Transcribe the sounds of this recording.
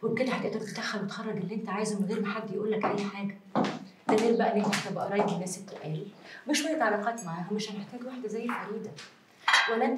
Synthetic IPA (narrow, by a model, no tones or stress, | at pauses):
weked̪æħaʔ̪ʔiæːʔt̪æt̪ed̪æxːælwet̪xɑrˤːɑɡelːiʔent̪æʕaːjezmenɣeːɾmeħad̪ːjeʔuːlːækʔæjːħaːɡæ | t̪æmiːlbæʔænʔæhent̪æbæʔɑɾˤɑːjeɡ̪enːæːset̪ːeʔæːlmeʃwæjːæt̪ʕalɑqɑːt̪maʕaːɦæmeʃhæneħt̪æːɡwaħd̪æzæjːelħaɾiːd̪æ | wælːæʔen